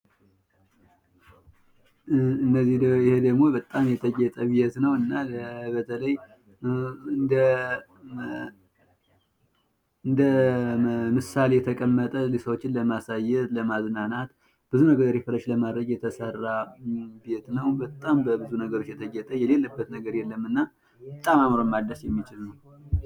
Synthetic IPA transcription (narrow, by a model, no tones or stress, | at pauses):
ɨnːəzːih̪jɪhed̪əɡmo̞bət̪ʼamjɛt̪ʰəɡɛt̪ʼəbet̪nəwɨnːalbət̪ʰələj | nd̪ə | ɨnd̪ə | mɨsalejɛt̪ʰəkʼəmːət̪ʼəlisəwot͡ʃːɪnləmasajːɛt̪ləmaznanat̪ | b̥ɨzunəɡəɾefəɾət͡ʃləmad̪ɾəɡjɛt̪ʰəsərːabet̪nəwbət̪ʼːambəbɨzunəɡəɾo̞t͡ʃːjɛt̪ʰəɡɛt̪ʼəjɛle̞lːəbːət̪nəɡəɾjɛlːəmːɨnːa | bət̪ʼamamɾomad̪ːəsjɛmːit͡ʃɪlnəw